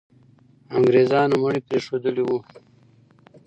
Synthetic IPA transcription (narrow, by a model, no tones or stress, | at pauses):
aŋɡɾezɑːnuməɽipɾeːʂod̪əliwu